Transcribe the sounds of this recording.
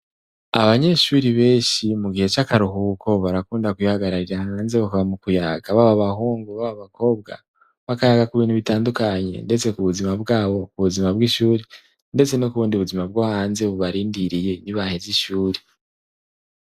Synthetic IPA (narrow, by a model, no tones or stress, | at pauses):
aβaɲe̞ʃuːɾiβe̞ːnʃimuɡihe̞t͡ʃakaɾuɦuːkʰo̞βaɾakuːndakwihaɡaɾaɾiɾahaːnze̞βakaβamukujaːɡaβaβaβaɦuːŋɡuβaβaβako̞ːbɡa̰ | βakajaɡakuβiːnhuβitaːndukaɲe̞̰nde̞t͡se̞kuβuzimabɡaːβo̞kuβuzimabɡiʃuːɾe | nde̞t͡se̞nokuβuːndiuβuzimab̚ɡaːhaːnze̞βuβaɾiːndiɾije̞niβaheziʃuːɾe